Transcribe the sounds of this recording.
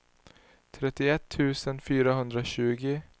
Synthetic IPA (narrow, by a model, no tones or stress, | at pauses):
t̪ʰɾɛt̪ɪɛt̪ʰːʉːsənfyːɾaɦɵnd̪ɾoɕʉ̟ːɡɪ